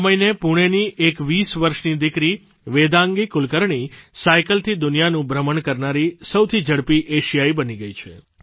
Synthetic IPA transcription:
məinepuɽ̃eniʔekʋisʋəɾʃnid̪ɪkɾi | ʋed̪ãŋɡikʊlkəɾɳisajkəlt̪ʰid̪ʊnijanũbɾəməɳkəɾnaɾisəwt̪ʰid͡ʒəɽpiʔeʃijaibəniɡəjt͡ʃʰe

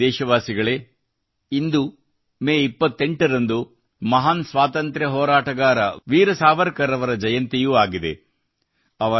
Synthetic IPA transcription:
ɛːʃɐʋaːsiɡɐɭe̞ | ind̪u | meːipːɐt̪ːeɳʈɐɾɐnd̪u | mɐɦaːnsʋaːt̪ɐnt̪ɾɐɦɔːɾaːʈɐɡaːɾɐʋiːɾɐsaːʋɐɾkɐɾɐʋɐɾɐd͡ʒɐjɐnt̪ijuaːɡid̪e̞̰ | ɐʋɐ

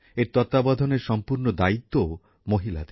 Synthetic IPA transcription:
eɾt̪ɔt̪abɔd̪ʱɔneɾʃɔmpuɾnod̪ait̪ːoo | moɦila̰d̪e

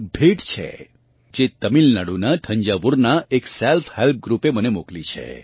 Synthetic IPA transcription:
bʱeʈt͡ʃʰḛ | d͡ʒet̪əmilnaɽunat̪ʰə̃ɲd͡ʒaʋuɾnaekselfʰhɛlp̚ʰɡɾupemənemoklit͡ʃʰḛ

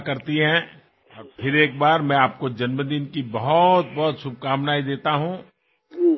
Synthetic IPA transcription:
kɐɾt̪iɦɛ̃ | pʰɪɾeːk̚baːɾmɛ̃aːp̚kod͡ʒɐnməd̪inkibɐɦʊt̪̚bɔɦʊt̪ʃʊb̚ʱkaːmnaːid̪eːt̪aɦũː

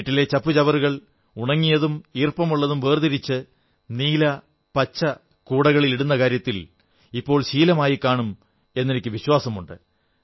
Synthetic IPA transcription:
ʈːilet͡ɕɐpːɨt͡ɕɐʋɐɾuɣɐɭ | uɳɐŋːijɐðumiːrpɐmuɭːɐðumʋeːrd̪ɐɾit͡ɕːɨ | niːlɐ | pɐt͡ɕːɐ | kuːɽɐɣɐɭiliɽunːɐkaːɾjɐt̪ːil | ipːo̞ːɭɕiːlɐmaːjikːaːɳum | e̞nːinikʲːɨʋiɕwaːsɐmuɳɖɨ̰

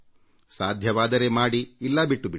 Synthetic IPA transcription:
saːd̪ʱjɐʋaːd̪ɐɾe̞maːɽiːlːɐbiʈːubi

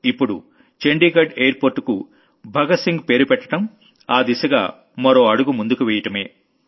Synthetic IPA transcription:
ipːuɽṵ | t͡ʃe̞ɳɖiːɡɐɖeːjɐɾpoːɾʈːku | bʱɐɡɐsiŋɡpe̞ːɾupɛʈːɐ̥ʈɐm | aːd̪isɐɡa̰ː | mɐɾo̞ːɐɽuɡumund̪ukuʋɛːjɐʈɐme̞ː

